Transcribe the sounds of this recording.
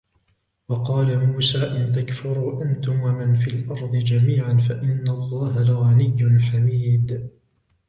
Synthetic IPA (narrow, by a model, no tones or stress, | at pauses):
wɑqɑːlamuːsaːʔɪnt̪akfʊɾuːʔant̪ʊmwamɪnfilʔɑɾˤd̪ˤɨd͡ʒamiːʕanfaʔɪnːalˤːɑːɦalɪɣanɪjːʊnħamiːd̪